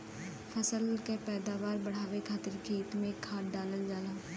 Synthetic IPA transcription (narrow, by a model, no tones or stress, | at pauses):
fʰɐsəlkepɛːd̪aːʋaːɾbɐɽ̤aːʋekʰaːt̪ɪɾkeiːt̪mẽkʰːaːʈɖaːləld͡ʒaːlaː